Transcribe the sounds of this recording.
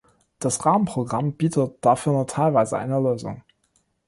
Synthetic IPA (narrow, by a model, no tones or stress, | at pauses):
d̥asʁaːmən̩pʁ̥oɡʁamb̥iːtʰətd̥afyːɐnuːtʰaɪlvaɪzəʔa̰ɪnəløːzʊ̰ŋ